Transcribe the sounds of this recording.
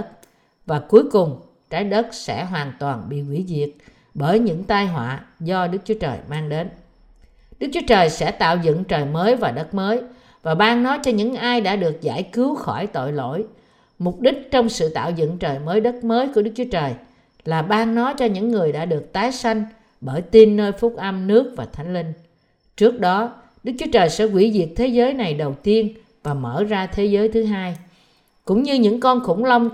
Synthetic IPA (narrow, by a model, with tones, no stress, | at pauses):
t̚ | vaː˨˩ku˨˦əjkʊ˨˩ŋ͡m | t͡ɕaː˨˦jɗə˦˥t̚sɛ̰˧˥ɦwaː˨˩nt̪waː˨˩nɓḭ˧˨kwḭ˧˩zi˨˩ək̚ | ɓəː˧˩jɲɨ̰˧˥ŋt̪aː˧jɦwa̰ː˧˨zɔ˧ɗɨ˦˥k̚t͡ɕu˨˦t͡ɕəː˨˩jmaː˧ŋɗe˨˦n | ɗɨ˦˥k̚t͡ɕu˨˦t͡ɕəː˨˩jsɛ̰˧˥t̪a̰ː˧˨wzə̰˧˨nt͡ɕəː˨˩jməː˨˦jvaː˨˩ɗə˦˥t̚məː˨˦j | vaː˨˩ɓaː˧ŋnɔ˨˦jt͡ɕɔ˧ɲɨ̰˧˥ŋʔaː˧jɗa̰ː˧˥ɗɨ˨˩ək̚za̰ː˧˩jkɨ˨˦wxɔ˧˩jt̪o̰˧˨jlo̰˧˥˨j | mʊ˨˩k͡p̚ɗï˦˥k̟̚t͡ɕɔ˧wŋ͡msɨ̰˧˨t̪a̰ː˧˨wzə̰˧˨nt͡ɕəː˨˩jməː˨˦jɗə˦˥t̚məː˨˦jku˧˩ɗɨ˦˥k̚t͡ɕu˨˦ə˦t͡ɕəː˨˩j | laː˨˩ɓaː˧ŋnɔ˨˦jt͡ɕɔ˧ɲɨ̰˧˥ŋːɨ˨˩əjɗa̰ː˧˥ɗɨ˨˩ək̚t̪aː˨˦jsa˧jŋ̟ | ɓəː˧˩jt̪i˧nːəː˧jfʊ˦˥t̚ʔə˧mnɨ˦˥ək̚vaː˨˩t̪ʰa˨˦jŋ̟lï˧ŋ̟ | t͡ɕɨ˦˥ək̚ɗɔ˨˦ | ɗɨ˦˥k̚t͡ɕu̥˨˦ət͡ɕəː˨˩jsɛ̰˧˥kwi˧˩zi˨˩ək̚t̪ʰe˨˦zəː˨˦jna˨˩jɗə˨˩wt̪i˧ən | vaː˨˩məː˧˩zaː˧t̪ʰe˨˦zəː˨˦jt̪ʰɨ˨˦ɦaː˧j | kʊ̰˧˥ŋ͡mɲɨ˧ɲɨ̰˧˥ŋkɔ˧nxʊ̰˧˥ŋ͡mlə˧wŋ͡m